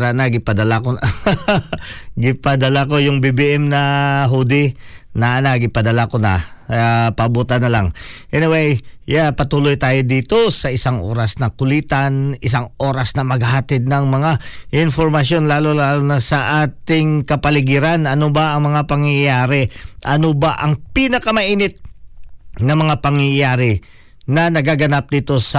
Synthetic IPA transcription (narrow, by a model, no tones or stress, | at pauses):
ɾaʔnɐɡɪpɐd̪ɐlako | ɡɪpɐd̪ɐlako̞jʊŋbibiʔɛmnɐɦud̪ɪnɐnaɡɪpɐd̪ɐlakonɐ̰apɐbuːt̪ɐnːɐlaŋʔɛnɪwejjapɐt̪uːlojt̪aːjo̞d̪iːt̪o̞sɐɪsaŋʔo̞̰ːɾɐsnɐkʊliːt̪anɪsaŋʔo̞ːɾɐsnɐmɐɡhat̪ɪd̪̚nɐŋmɐŋaʔɪnfoɾmɐʃjo̞nlaːlolaːlonɐsɐʔaːt̪ɪŋkɐpɐlɪɡiɾanɐnobɐɐŋmɐŋapɐŋjɐjaːɾɛʔɐnobaʔɐŋpinɐkɐmɐʔiːnɪt̪̚ | nɐŋmɐŋapɐŋjɐjaːɾɪ | nɐnɐɡaɡɐnap̚d̪iːt̪o̞sɐ